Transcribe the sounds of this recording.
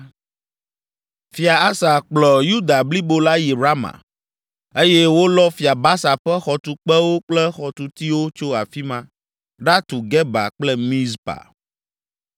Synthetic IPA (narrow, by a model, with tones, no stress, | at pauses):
fi˨a˨a˦sa˨k͡plɔ˨ju˦d̪a˨bli˦bo˦la˦ji˨ɾa˦mã̰˨ | e˦jɛ˦wo˦lɔ˦fi˨a˨ba˦sa˨ɸɛ˦xɔ˨t̪u˨k͡pɛ˦wo˦k͡plɛ˦xɔ˨t̪u˨t̪i˦wo˦t͡ʃo˦a˨fi˦mã˦ | ɖa˦t̪u˨ɡɛ˦ba̰˨k͡plɛ˦mĩ˦zpa̰˨